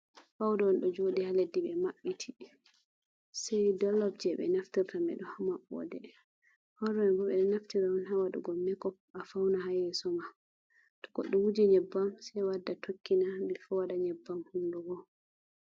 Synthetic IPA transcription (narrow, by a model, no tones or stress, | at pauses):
fawdɔɔnɗɔd͡ʒodihaledːiɓɛmaɓːitʰi̥ | sɛjdɔlːɔb̚d͡ʒɛɓɛ̰naftiɾtamɛ̰ɗɔhamaɓɔ̰dɛ | hɔɾɔmɛbɔɓɛɗɛnaftiɾaɔnhawaɗṵɡɔmɛkɔpafawnaɦajɛsɔma | tɔ̥ɡɔɗːɔwud͡ʒɛɲɛbːamsɛwadːatʰokʰːinabɛfɔwaɗaɲɛbːamhunduɡɔ